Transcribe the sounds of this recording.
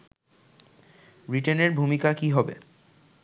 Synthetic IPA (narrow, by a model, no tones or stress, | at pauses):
ɾiʈeneɾbʱumikakiɦɔbḛ